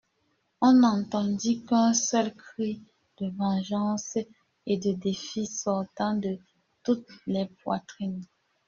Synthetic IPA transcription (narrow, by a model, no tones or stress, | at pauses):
ɔ̃nɑ̃t̪ɑ̃d̪ikɛ̃sœlkχi | d̪̥əvɑ̃ʒɑ̃s | ed̪əd̪efisɔʁt̪ɑ̃d̪ə | t̪ut̪lɛpwa̰t̪χin